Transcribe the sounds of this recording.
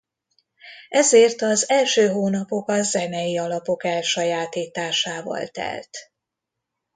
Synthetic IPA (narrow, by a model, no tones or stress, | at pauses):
ɛzeːrt̪ɒzɛlʃøːɦoːnɒpo̞kɒzɛnɛjiɒlɒpo̞kɛlʃɒjaːt̪iːt̪aːʃaːvɒ̰lt̪ɛ̰lt̪